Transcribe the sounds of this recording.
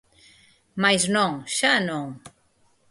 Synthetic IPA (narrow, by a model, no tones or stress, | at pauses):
majznɔŋʃanoŋ